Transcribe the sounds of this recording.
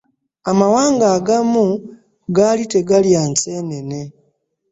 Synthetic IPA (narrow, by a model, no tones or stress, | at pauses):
amawaːŋɡaːɡamu | ɡaːlite̞ɡaljaːnseːne̞ne̞